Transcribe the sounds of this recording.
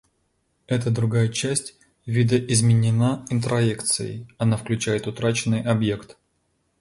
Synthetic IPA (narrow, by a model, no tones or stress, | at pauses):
ɛt̪əd̪ɾʊɡajət͡ɕæsʲtʲ | vʲid̪əʔɪzmʲɪnʲɪnaɪnt̪ɾɐekt̪sɨ̰jɪ̰jɐnafklʲʉt͡ɕæjɪt̪ʊt̪ɾat͡ɕɪnːɨjʔɐbje̞kt̪